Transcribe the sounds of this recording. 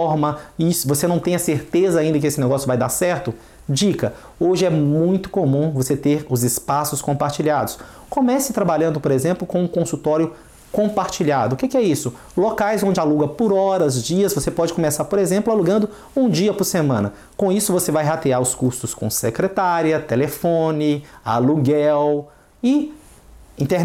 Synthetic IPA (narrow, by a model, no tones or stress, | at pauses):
ɔɾmɐisʊvosenɐ̃w̃t̪ẽj̃ɐseɾt̪ezɐaĩnd̪ɐkɪesɪneɡɔsjʊvajd̪aɾsɛɾt̪ʊ | d͡ʒikɐ | oʒɪɛmũj̃t̪ʊ̥komũvoset̪eɾʊzɪspasʊskõpaɾt͡ʃiʎad̪ʊs | kõmɛsɪt̪ɾabaʎɐ̃nd̪ʊpoɾezẽmplʊkõũkõsut̪ɔɾjʊ | kõpaɾt͡ʃiʎad̪ʊkekɪɛisʊ | lokajzõd͡ʒɪaluɡɐpʊɾɔɾɐzd͡ʒiɐzvosepɔd͡ʒɪkõmesaɾpoɾezẽmplʊaluɡɐ̃nd̪ʊ | ũd͡ʒiɐpʊɾsemɐ̃nɐ | kõisʊvosevajɦat̪eaɾʊskust̪ʊskõ̰sekɾet̪aɾjɐt̪elefõnɪa̰luɡɛw | ɪ | ĩnt̪e